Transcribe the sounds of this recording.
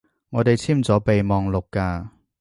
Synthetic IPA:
ŋɔː˨˧t̪e˨jt͡sʰiː˥˩mt͡sɔː˨˥pe˨jmɔː˨ŋlʊ˨kːaː˧

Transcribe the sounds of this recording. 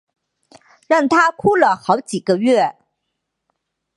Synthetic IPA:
ɻɑ˥˩ŋt̪ʰa˥kʰu˥˩lə˨xɑ˧˥ʊt͡ɕi˨˩ɡə˦ɥɛ˥˩

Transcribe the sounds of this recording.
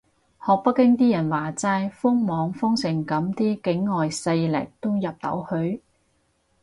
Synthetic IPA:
hɔː˨k̚pɐ˥kːɪ˥ŋt̪iː˥jɐ˨˩nwaː˨˩t͡sɐ˧jfʊ˥ŋmɔː˨˧ŋfʊ˥ŋsɪ˨˩ŋkɐ˨˥mt̪iː˥kɪ˨˥ŋːɔː˨jsɐ˧jlɪ̰˨˩k̚t̪o˥wjɐ˨p̚t̪ɐ̰˨˥whɵ˧ɥ

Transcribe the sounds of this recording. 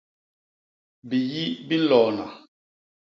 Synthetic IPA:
bi˨ji˦bi˦n̩˦lɔ˨na˨

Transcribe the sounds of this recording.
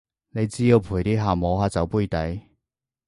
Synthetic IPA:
ne˨˧jt͡siː˥jo˨˧pʰuː˨˩jt̪iː˥ɦaː˨mɔː˨˧haː˨˧t͡sɐ˨˧wpuː˥˧˩jt̪ɐ˨˥j

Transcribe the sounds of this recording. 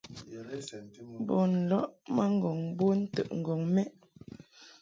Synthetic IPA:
bɔ˨n̩˨lɔ˦ʔma˦ŋ˦ɡɔ˨ŋbo˦n̩˦tə̰˦˨ʔŋ̩˨ɡɔ˨ŋmɛ˦ʔ

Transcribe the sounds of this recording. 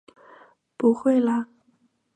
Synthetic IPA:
pu˧˥xwe˥˩ɪlə˨

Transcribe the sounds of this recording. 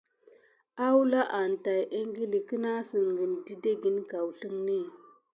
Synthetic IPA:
a˦wla˦ʔa˨n˨ta˨jʔe˦ŋ˦ɡi˦li˨kə˦na˦si˨ŋ˨ɡi˨n˨di˦de˦ɡi˦nka˨wɬə˦ŋni˦˨

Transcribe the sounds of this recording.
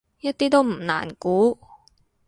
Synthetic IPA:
jɐ˥t̚t̪iː˥t̪o˥wm̩˨˩na̰ː˨˩nkuː˨˥

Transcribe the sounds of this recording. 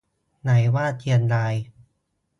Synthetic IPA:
na˩˦jwaː˥˩t̪̚i˧ənlaː˧j

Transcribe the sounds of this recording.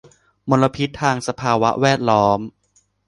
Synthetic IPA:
mo˧nlːa˧pʰi˦˥t̪ʰːaː˧ŋsa˧pʰaː˧wa˦˥wɛː˥˩t̪̚lɔː˦˥m

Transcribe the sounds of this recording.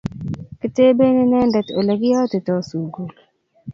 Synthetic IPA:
kɪ˦te˦be˦nɪ˦nɛ˦ndɛ˨to˨le˨ɡɪ˦jɔ˦te˨tɔ˦su˨ɡu˨l

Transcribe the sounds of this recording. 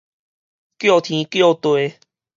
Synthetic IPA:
kjo˥˧t̪ʰĩ˧˦kjo˥˨t̪we˨˦

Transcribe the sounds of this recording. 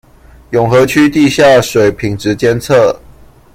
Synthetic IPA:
jʊ˨˩ŋxɤ˨˦t͡ɕʰy˥˦t̪i˥˧˨ɕja˥˩əʂwe˨˩ɪpʰi˨˩ŋʈ͡ʂɻ̩˨˦t͡ɕjɛ˥nt͡sʰə˥˨

